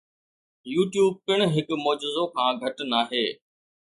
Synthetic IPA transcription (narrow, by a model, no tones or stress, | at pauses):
juːʈjuːb̚kɪɽ̃ɦɪkmoːd͡ʒɪzokʰãːɡʱɐʈnaːɦeː